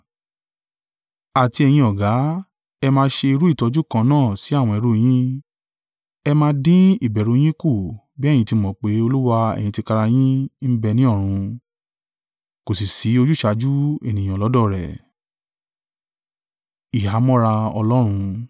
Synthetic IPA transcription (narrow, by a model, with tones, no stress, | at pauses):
a˨ti˧ɛ˧j̃ĩ˧ɔ˨ɡa˨˦ | ɛ˧mãː˧˦ʃe˧i˧ɾu˦i˦˨tɔ˨˧d͡ʒu˦˨kã˧nãː˦˨si˨˦a˦˨w̃ɔ̃˧ɛ˧ɾu˦j̃ĩ˦ | ɛ˧mãː˧˦dĩ˦i˦˨bɛ˨ɾu˨˧˦j̃ĩ˦ku˦˨ | bĩ˦˨ĩ˧ti˧mɔ̃˨k͡pe˨˦o˧lu˦wa˧ɛ̰˨j̃ĩ˧ti˧ka˧ɾa˧j̃ĩ˦m̩˦bɛ˧nĩ˨˦ɔ˦˨ɾ̃ũ˧ | ko˨si˨si˨˦o˧d͡ʒu˦ʃa˧˦d͡ʒu˦ḛ˨nĩ˨ã˨lɔ˨˦dɔ˦˨ɾɛ˨ | i˨ɦa˨˦mɔ̃˦ɾa˧ɔ̰˧lɔ˦ɾ̃ũ˧